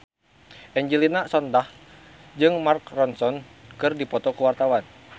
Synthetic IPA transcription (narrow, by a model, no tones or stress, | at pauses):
ʔɛɲd͡ʒilinasɔndah | d͡ʒɨŋmarkrɔnsɔnkɨrdipɔt̪ɔkuwart̪awan